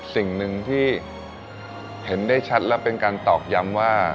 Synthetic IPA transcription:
si˨˩ŋnɯ˧ŋt̪ʰiː˥˩ | he˩˦ndaː˥˩jt͡ɕʰa˦˥t̪̚lɛ˦˥wpe˧nkaː˧nt̪ɔː˨˩k̚ja˧˥mwaː˥˩

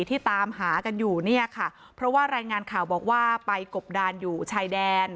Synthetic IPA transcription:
t̪ʰiː˥˩t̪aː˧mɦaː˩˦ka˧njuː˨˩ni˥˩ɐkʰa˥˩ | pʰɾɔ˦˥waː˥˩ɾaː˧jŋaː˧nkʰaː˨˩wbɔː˨˩k̚waː˥˩pa˧jko˨˩p̚daː˧njuː˨˩t͡ɕʰaː˧jdɛː˧n

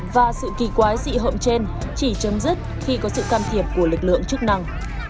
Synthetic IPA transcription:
vaː˨˩sɨ̰˧˨ki˨˩kwaː˨˦jzḭ˧˨ɦo̰˧˨mt͡ɕe˧n | t͡ɕi˧˩t͡ɕə˨˦mzi˦˥k̚ | xi˧kɔ˨˦sɨ̰˧˨kaː˧mt̪ʰi˨˩əp̚ku˧˩əlɨ˨˩k̚lɨ̰˧˨əŋt͡ɕk̚na˧ŋ

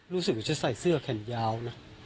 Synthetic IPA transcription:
ɾuː˦˥sɯ˨˩k̚a˧˩t͡ɕa˨˩sa˨˩jsɯ˥˩ɐkʰɛ˨˩njaː˧wna˦˥

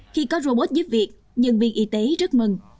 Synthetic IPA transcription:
xi˧kɔ˨˦zo˧ɓo˦˥t̚zə˨˦vi˨˩ək̚ | ɲə̰˧˨nvḭ˧˨ʔi˨˦t̪e˨˦zə˦˥t̚mə˨˩ŋ

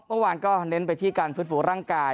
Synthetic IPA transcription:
mɯ˥˩waː˧nkɔː˥˩ne˧˦˥npa˧jt̪ʰiː˥˩kaː˧nfɯ˦˥t̪̚fuː˩˦ɾaː˥˩ŋkaː˧

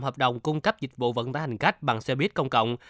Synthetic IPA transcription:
mhəː˨˩p̚ɗə̰˨˩wŋ͡mkʊ˧ŋ͡mkə˦˥p̚zï˨˩k̟̚vṵ˧˨və̰˧˥nt̪aː˨˧˦ha˨˩ŋ̟xa˦˥jk̟̚ɓa̰ː˨˩ŋsɛ˧ɓi˦˥ət̚kə˧wŋ͡mkə̰˧˨wŋ͡m

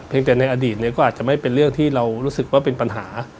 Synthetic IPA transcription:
pʰi˧ŋt̪ɛː˨˩na˧jʔaː˧diː˨˩t̪̚ni˦˥˩kɔː˥˩ʔaː˨˩t̪̚t͡ɕa˨˩ma˥˩jpe˧nɾɯ˥˩əŋt̪ʰiː˥˩ɾa˧wɾuː˦˥sɯ˨˩k̚waː˥˩pe˧npa˧nɦaː˩˦

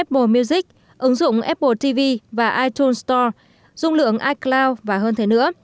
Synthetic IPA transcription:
ʔɛ˦˥p̚ɓo˧˩mi˧wzï˦˥k̚ | ʔɨ˨˦ŋzʊ̰˧˨ŋ͡mʔɛ˦˥p̚ɓo˧˩t̪i˧vi˧vaː˨˩ʔaː˧jt̪u˧nst̪ɔ˧ | z̥ʊ˧ŋ͡mlɨ̰˧˨əŋʔaː˧jklaː˧wvaː˨˩ɦəː˧nt̪ʰe˨˦nɨ̰˧˥ə

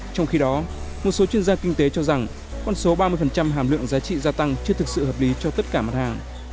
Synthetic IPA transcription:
t͡ɕɔ˧wŋ͡mxi˧ɗɔ˨˦ | mo˨˩t̚so˨˦t͡ɕwi˧ənzaː˧kï˧ŋ̟t̪e˨˦t͡ɕɔ˧za˨˩ŋ | kɔ˧˩nso˨˦ɓaː˧mɨ˧əfə˨˩nt͡ɕa˧mɦaː˨˩mlɨ̰˧˨əŋzaː˨˦t͡ɕḭ˧˨zaː˧t̪a˧ŋt͡ɕɨ˧ət̪ɨ˨˩k̚sɨ̰˧˨ɦəː˨˩p̚li˨˦t͡ɕɔ˧t̪ə˦˥t̚kaː˧˩ma˦˥˩t̚haː˨˩ŋ

